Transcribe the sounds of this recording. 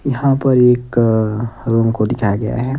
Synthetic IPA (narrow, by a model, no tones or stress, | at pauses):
jɐɦãpɐɾeːk | ɾõːŋkod̪ɪkʰaɡɐja̰ɦɛ